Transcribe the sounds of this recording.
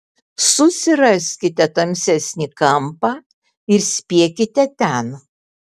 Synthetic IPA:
sʊsʲɪɾɐsʲkʲɪt̪ʲɛt̪ɐmʲsʲɛsʲnʲikɐmpɑː | ɪɾsʲpʲiɛkʲɪt̪ʲɛt̪ʲɛn

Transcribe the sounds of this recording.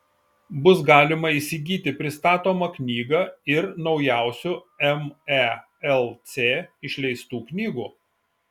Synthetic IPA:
bʊsɡɑːlʲɪmɐiːsʲɪɡʲiːt̪ʲɪpʲɾʲɪst̪ɑːt̪oːmɐknʲiːɡɐɪɾnɒʊjæˑʊsʲu | ɛmæ | ɛlˠt̪sʲeːɪʃʲlʲɛɪst̪uːknʲiːɡuː

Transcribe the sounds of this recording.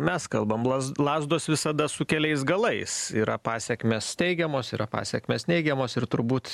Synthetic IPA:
mʲɛskɐlˠbɐmlˠɐlˠɑːzd̪oːsʋʲɪsɐd̪ɐsʊkʲɛlʲɛɪsɡɐlˠɐɪsiːɾɐpɑːsʲɛkmʲeːst̪ʲɛɪɡʲɛmoːsiːɾɐpɑ̰ːsʲɛkmʲeːsnʲɛɪɡʲɛmoːsɪrt̪ʊɾbuːt̪

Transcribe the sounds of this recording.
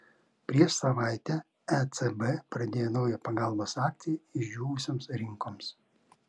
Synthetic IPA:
pʲɾʲiɛʃsɐʋɑˑɪt̪ʲɛ | ɛt̪ɛbɛpɾɐd̪ʲeːjonɒʊjɛpɐɡɑˑlˠboːsɑːk̚t̪ʲejɪʒʲd͡ʒʲuːʋʊsʲoːmsɾʲɪŋkoːms

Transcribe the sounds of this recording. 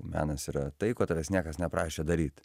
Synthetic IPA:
mʲæ̰ːnɐsiːɾɐt̪ɐɪkoːt̪ɐʋʲɛsnʲiɛkɐsnʲɛpɾɑːʃʲeːd̪ɐɾʲiːt̪

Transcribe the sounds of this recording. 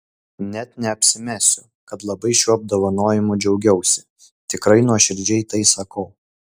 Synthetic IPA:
nʲɛt̪nʲɛɐpʲsʲɪmʲæːsʲʊ | kɐt̪lˠɐbɐɪʃʲuɔɐb̚d̪oːʋɐnoːjɪmʊd͡ʒʲɛʊɡʲɛʊsʲɪ | t̪ʲɪkɾɐɪnuɔʃʲɪɾʲd͡ʒʲɛɪt̪ɐɪsɐkɐʊ

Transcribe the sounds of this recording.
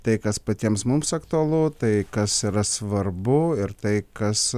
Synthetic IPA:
t̪ɐɪkɐspɐt̪ʲiɛmsmʊmsɐkt̪ʊɐlˠut̪ɐɪkɐsiɾɐsʋɐɾbʊɪɾt̪ɐɪkɐs

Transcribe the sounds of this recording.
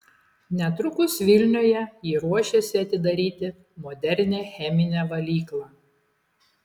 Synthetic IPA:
nʲɛt̪ɾʊkʊsʋʲɪlʲnʲoːjɛjiːɾuɔʃʲesʲɪɐt̪ʲɪd̪ɐɾʲiːt̪ʲɪ | mɔːd̪ʲɛɾʲnʲeːxʲɛmʲɪnʲɛːʋɐlʲiːklˠɑː

